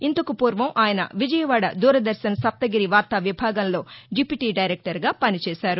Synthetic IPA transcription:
int̪ɐkupuːɾʋɐmʔaːjɐnɐ̰ʋid͡ʒɐjɐʋaːɽɐ̰d̪uːɾɐd̪ɐɾsɐnsɐp̚t̪ɐɡiɾiʋaːɾt̪aːʋibʱaːɡɐnlo̞ːd͡ʒipiʈiːɖɐjɾɛk̚ʈɐɾɡaːpɐnit͡ʃɛːʃaːɾu

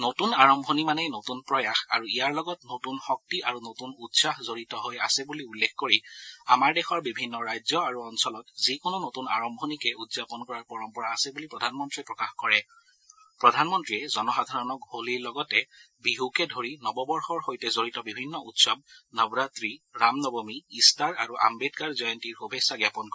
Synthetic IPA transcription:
notunaɹɔmbʱonimanɛnotunpɹɔjaxa̰ɹuijaɹlɔɡɔtnotunxɔk̚tiʔaɹunotunutsaɦzoɹitɔɦoja̰sɛbuliulːekkoɹiamaɹdɛxɔɹbibʱinːɔɹajzɔaɹuɔnsɔlɔtzikʊnonotunaɹɔmbʱonikɛudzapɔnkɔɹaɹpɔɹɔmpɔɹaːsɛbulipɹɔdʱanmɔntɹiɛpɹɔkaxkɔɹɛ | pɹɔdʱanmɔntɹiɛzɔnɔxadʱaɹɔnɔkholiɹlɔɡɔtɛ | biɦukɛdʱoɹinɔbɔbɔɹxɔɹxojtɛzoɹitɔbibʱinːɔʔutsɔb̚nɔbɹatɹiɹamnɔbomiːstaɹaɹuʔa̰mbedkaɹzajɔntiɹxubʱesaɡjapɔnkɔ

